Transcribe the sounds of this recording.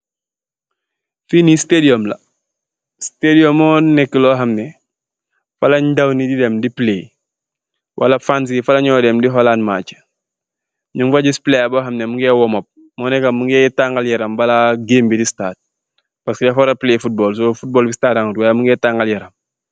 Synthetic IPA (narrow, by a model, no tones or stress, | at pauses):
finistediɔmlɐ̰ | stediɔmɔːnɛkːəlɔːɦɐmnɛ | fɐlɐɲdɐwnididɛmdiple | wʔɐ̰lɐfans̬ifɐlɐɲɔːdɛmdiɦɔlaːnmaːt͡ʃə̥ | ɲuŋfaɟisplejabɔːɦɐmnɛmuŋɡɛːwɔmɔp̚ | mɔnɛkɐmuŋɡɛːtaŋɡaljɐɾɐmbɐlaɡeːmbidistaːt̚ | pɐskidafɔɾɐpleːfut̚bɔːlsoːfut̚bɔːlbistaːtaŋutwajamuŋɡɛːtaŋɡaljɐɾɐm